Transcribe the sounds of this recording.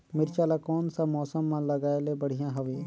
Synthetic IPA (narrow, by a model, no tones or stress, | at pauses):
mɪɾt͡ʃaːlakoːnsãmɔːsəmːãləɡaːelebəɽ̤ijãɦəʋeː